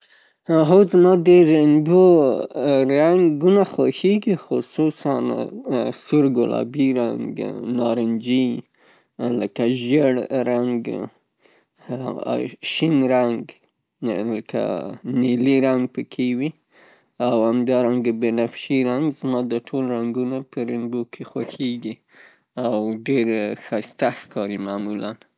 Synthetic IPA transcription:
ɦowzmɑd̪əɾaŋbo | ɾaŋɡunaxoxeɡixʊsusan | sʊɾɡʊlɑ̰biɾaŋɡnɑɾɪnd͡ʒi | ləkaʒəɽɾaŋɡ | ʃinɾaŋɡ | ləkʰa̰niliɾaŋɡ̚pəkʰewi | awhamd̪ɑɾaŋɡabenafʃiɾaŋɡzmɑd̪əʈʰolɾaŋɡunapʰəɾɪnbokʰexwaxeɡi | awɖeɾxast̪axkɑɾimaːmulan

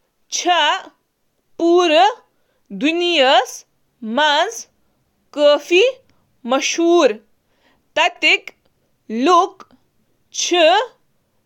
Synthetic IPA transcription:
t͡ʃʰa | puːɾə | d̪unijɐs | maːns | kəːfi | mɐʃɦuːɾ | t̪ɐt̪ik | luk | t͡ʃʰi

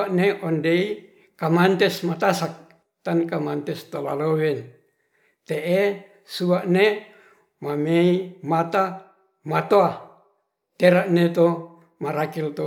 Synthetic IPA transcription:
aʔneʔondei | kamant̪esmat̪asak̚ | t̪ankamant̪ɛst̪ola̰lowɛn | t̪eʔe | suaʔne | mameimat̪a | mat̪oa | t̪eɾaʔnet̪o | maɾakilt̪o

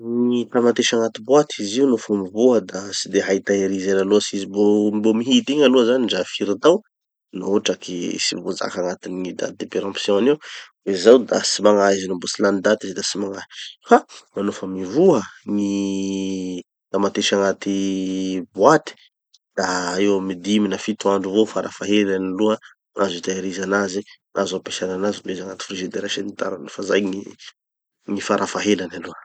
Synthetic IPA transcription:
niit̪amat̪eʃaŋat̪ibwat̪ʰiziunofəmivuəd̪asid̪eɦait̪aeɾizenaluəsizibombomiɦit̪iɲaluəzaniɖ͡ʐafiɾid̪aw | naoʈ͡ʂakʰisivoza̰kaŋat̪inːid̪a̰t̪id̪epeɾãpsjɔ̃aniwwezawd̪a̰simaŋaizinambosilanid̪at̪izd̪asimaŋaɦi̥famanofəmivuəŋi | d̪amat̪eʃaŋat̪i | bwat̪i̥ | d̪̥aewmid̪iminafit̪uaɳɖ͡ʐuvofaɾʔafaɦelanaluə | azit̪aɾizanazi | ʔazapeʃananazimlezaŋat̪i̥friʒid̪eɾaʃenit̪a̰ɾanfazajŋi | ŋifaɾafaɦelanaluə

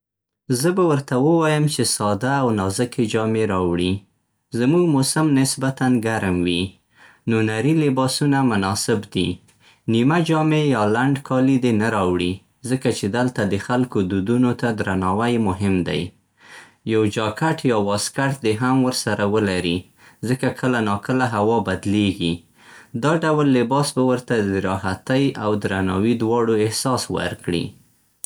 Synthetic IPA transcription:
zəbawəɾt̪awəwɑjəmt͡ʃesɑd̪aːwnɑzəked͡ʒɑmeɾɑwɽi | zamuɡmʊsamnɪsbat̪anɡaɾmwi | nonaɾilɪbɑsunamʊnɑsɪbd̪i | nimad͡ʒɑmejɑlaɳɖkʰɑlid̪enaɾɑwɽi | zəkat͡ʃed̪alt̪ad̪əxalkod̪ud̪unot̪ad̪ɾanɑwajmʊɦɪmd̪a̰j | jawd͡ʒɑkaʈjɑwɑskaʈd̪eɦamwəɾsaɾawəlaɾi | zəkakʰəlanɑkəlaɦawɑbad̪leɡi | d̪ɑɖawlːɪbɑsbawəɾt̪ad̪əɾɑɦat̪ajawd̪ɾanɑwid̪wɑɽoɪhsɑswa̰ɾkɽḭ

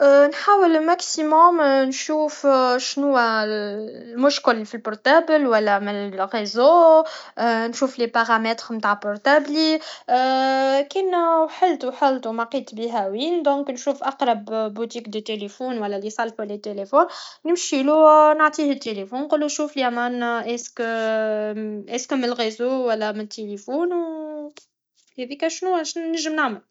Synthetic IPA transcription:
nħaːwəlmæksimɔmnʃuːfʃnʊwːæ | lmʊʃkɪlfilpʊɾt̪aːbəlwælːæmɪlɣezo | nʃuːflepaʁamɛt̪ɾmt̪aːʕpɔɾt̪abli | kinwħɪlt̪uħalt̪umaqiːt̪ˤbiɦæwiːnd̪ɔ̃ːknʃuːfʔɑqɾˤɑbːut̪iːkd̪ət̪ːelefuːnwælːælisˤɑlħælːet̪ːelefoːnnɪmʃilunʕt̪ˤiːhɪt̪ːelefuːnqulːunʃuːfliʔamænʔesk | ʔɛskmlɣezoːwælːæmnt̪ʰːelefuːnw | hɛðiːkæʃnuæʃnəʒːəmnaʕməl

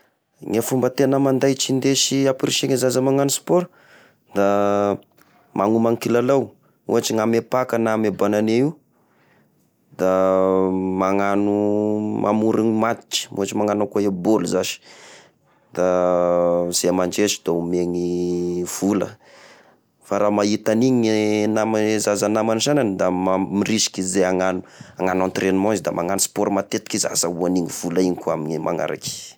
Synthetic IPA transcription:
ŋafumbət̪enəmand̪ajt͡ʃind̪eʃiapiɾiʃeŋezazəmaŋanuspoɾ | d̪a | mʔaŋumaŋkilalaw | ṵat͡ʃiŋamepakənamebananeiw | d̪a | maŋanumʔa̰muɾiŋmat̪i̥t͡ʃi̥ṵat͡ʃimaŋanakoeboluzaʃi̥ | d̪̥a | z̥emaɳd͡ʒeʃi̥d̪aumeŋiv̥ulə̰ | faɾamait̪aniɲnamazazanamanʃananid̪amamirisi̥kʲizeaŋanu̥aŋanant̪renimɔ̃zd̪amaŋanuspoɾmat̪et̪i̥kiza̰sauaniŋiv̥ulaiɲikuaminimʔa̰ŋa̰ɾa̰ki̥

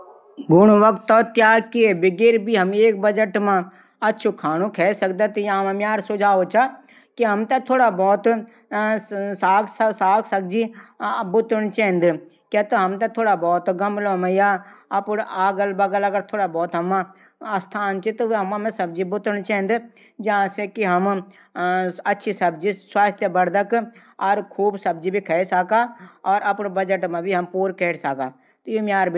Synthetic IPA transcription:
ɡʊɽ̃uʋəkt̪ːɔːt̪jaːkiebɪɡeːɾbiːɦəmeːk̚bəd͡ʒəʈmãː | ɐtːt͡ʃʰuːkʰaːnũːkʰɛːsək̚d̪aːt̪jaːmãmjaːɾsʊd͡ʒaːoːt͡ʃaː | kiɦəmt̪at̪ʰoːɽaːbɔːt̪ | saːkʰsəsaːkʰsək̚d͡ʒibʊt̪əɳ̃t͡ʃɛ̃ːɪ̃nd̪ | kaːt̪əɦəmt̪ãt̪ʰoːɽaːbɔːt̪ɡəmloːməjaːɐpnaːɡəlbəɡələɡəɾt̪ʰoːɽaːbɔːt̪ɦəmã | st̪ʰaːnt͡ʃit̪oɦɐmãmẽsəb̚d͡ʒibʊt̪əɽt͡ʃɛːnd̪ | d͡ʒɐɦãːsekiɦəm | ətːʃʰisəbd͡ʒiswaːst̪ʰjəbəɾd̪ək | ɔɾkʰuːbsəb̚d͡ʒibʱikʰɛsaːkaːɔːɾəpnbəd͡ʒəʈmãːbʱiɦəmpuːɾkɛːʈsaːkaː | t̪omaːɾb

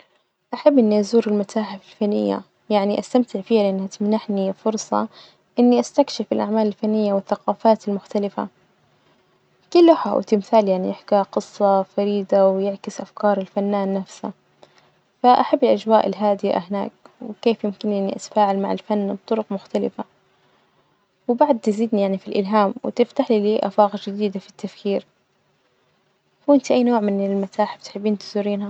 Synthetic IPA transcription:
ʔaħabːʔɪnːiʔazuːɾɪlmat̪aːħafɪlfanːɪ̰jːa̰ | jaʕniʔast̪amt̪ɪʕfiːalɪʔanːhat̪mnaħnifʊɾˤsˤɑ̰ | ʔɪnːiʔast̪akʃɪfɪlʔa̰ʕmaːlɪlfanːɪjːawɪθːaqɑːfaːt̪ɪlmʊxt̪alɪfa̰ | kɪlːʊħa̰w̰t̪ɪmθaːljaʕnḭjɪħkaqɨsˤːɑfaɾiːd̪awjɪʕkɪsʔafkɑːɾˤɪlfanːaːnːafsa̰ | faʔaħabːɪlʔad͡ʒwaːʔɪlɦaːd̪ɪja̰hɪna̰ːk̚wɪkeːfjɪmkɪnʔɪʕniʔa̰t̪ḁfaːʕalmaʕɪ̰lfanːb̚t̪ˤʊɾʊqmʊxt̪alɪ̰fa | wɪbaʕd̪̚t̪ɪziːd̪nijaʕnifilʔɪlɦaːmwɪ̰t̪ɪft̪aħliliːʔa̰fɑːɣɑd͡ʒɪd̪iːd̪afit̪ːafkiːɾ | fʔɪnt̪iʔajːnoːʕmɪnɪlmat̪aːħb̥ɪt̪ħɪbːiːnt̪ɪzʊɾːiːnha

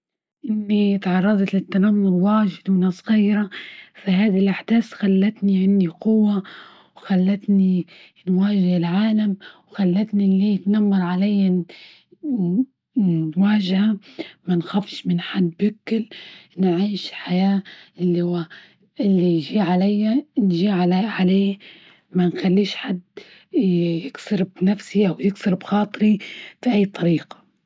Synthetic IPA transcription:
ʔɪnːit̪ʕɑrˤːɑd̪ˤɑt̪lɪt̪ːanamːʊlwaːʒɪd̪mɪnɨsˤːɣiːɾafahaːd̪ilʔaħd̪̥aːsxalːat̪niʕɪnːiqʊwːa | wxalːat̪ni | nwaːʒɪhɪlʕaːlamwxalːat̪nilːiːjɪt̪namːɑɾˤʕalajːa | waːʒhamanxafʃmɪnħad̪ːbɪkːɪlnʕiːʃħajaːʔɪlːiha | ɪlːiʒiːʕalajːanʒiːʕalaʕaleː | manxalːiːʃħad̪ː | jɪksʊɾbnafsiʔawjɪksʊɾbxɑːt̪ˤɾifiʔajːt̪ˤɑɾiːqḁ

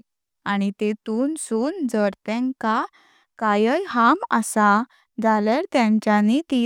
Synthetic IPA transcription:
añit̪et̪uːnsuːnd͡zəɾt̪ɛ̃ŋka | kajəjhama̰sa | d͡zalaɾt̪jãɲt͡ɕanit̪i

